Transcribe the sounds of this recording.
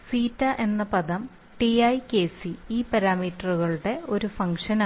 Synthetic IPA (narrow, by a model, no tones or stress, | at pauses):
siːtːɐʔe̞nːɐpɐd̪ɐm | ʈiɐjke̞ːsiiːpɐɾaːmiːʈːɐruɣɐɭuɽe̞o̞ɾufɐŋʂɐna